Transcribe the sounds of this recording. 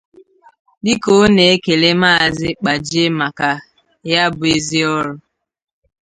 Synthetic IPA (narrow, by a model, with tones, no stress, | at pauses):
dɪ˦ko˦ne˨e˦ke˨le˦ma˦˨zɪ˦k͡pa˨d͡ʒe˦ma˨ka˨ | ja˦bʊ˨e˦zi˦ɔ˦ɾʊ˦